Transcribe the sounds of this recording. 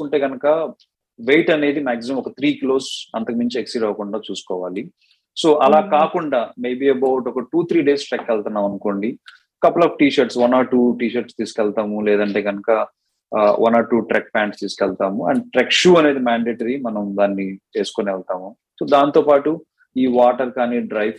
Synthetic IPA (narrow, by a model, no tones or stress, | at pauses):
uskuɳʈe̞ːɡɐnɐkɐ | ʋe̞jʈɐne̞ːd̪imaːksimɔkɐt̪ʰɾiːkilo̞ːsɐ̰nt̪ɐkɐmiɲt͡ʃieksiɖɐʋɐkuɳɖaːt͡ʃuːsu̥kɔːʋaːli | so̞ːʔɐlaːkaːkuɳɖaːmeːjbiːɐbɐwʈɔkɐʈuːt̪ʰɾiːɖe̞ːsʈɾɛkːɛlt̪ɐnːaːmɐnuko̞ːɳɖi | kɐpulɐkʈiːʃɐɾʈsʋɐnaːɾʈuːʈiːʃɐɾʈst̪iːsu̥kɛlt̪aːmulɛːd̪ɐɳʈe̞ːɡɐnukɐ | ʋɐ̰naːɾʈuːʈɾɛk̚paːɳʈst̪iːsu̥kɛlt̪aːmuɐ̰ɳɖʈɾekʂuːɐne̞ːd̪imaːɳɖeːʈɐɾimɐnɐmd̪aːnːit͡ʃe̞ːsu̥konɛlt̪aːmu | soːd̪aːnt̪o̞ːpaːʈu | iːʋaːʈɐɾkaːniːɖɾɐjʋ